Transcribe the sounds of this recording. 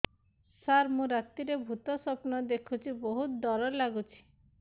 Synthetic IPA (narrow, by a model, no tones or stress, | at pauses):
saɾmũɾat̪iɾebʱut̪ɔsɔpnɔd̪ekʰut͡ʃʰibɔɦut̪d̪ɔɾɔlaɡut͡ʃʰi̥